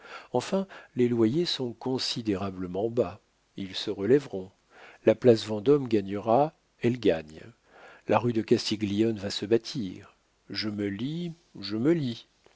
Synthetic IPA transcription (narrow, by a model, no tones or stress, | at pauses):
ɑ̃fɛ̃lelwajesɔ̃kɔ̃sid̪eʁabləmɑ̃ba | ilsəʁəlɛvʁɔ̃ | laplasvɑ̃d̪ɔmɡaɲəʁa | ɛlɡaɲ | lʔaʁyd̪əkast̪iɡlijɔnvasəbat̪ʰiʁ | ʒəməli | ʒəməli